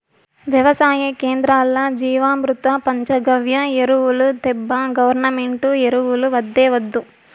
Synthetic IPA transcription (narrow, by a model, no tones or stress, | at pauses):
ʋjɐʋɐsaːjɐkeːnd̪ɾaːlːɐd͡ʒiːʋaːmɾut̪ɐpɐɲt͡ʃɐɡɐʋjɐeɾuʋulut̪ɛbːɐɡɐʋɐɾnɐmeɳʈueɾuʋuluʋɐd̪ːeːʋɐd̪ːu